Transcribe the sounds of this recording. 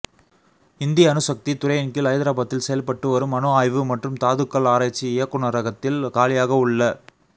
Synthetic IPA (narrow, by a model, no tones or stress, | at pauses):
ɪnd̪ɪjɐːnɯsɐk̚t̪it̪ʊɾɐjɐnkɪlɐjðɪɾaːbɐt̪ːɪlsɛjɐlpɐʈːɯʋɐɾɯmɐnoaːjʋɯmɐʈrɯmt̪aːðɯkːɐɭaːɾaːt͡ʃːiɪjɐkːɯɳɐɾɐɣɐt̪ːɪlkaːlɪjaːɣɐʊɯɭːɐ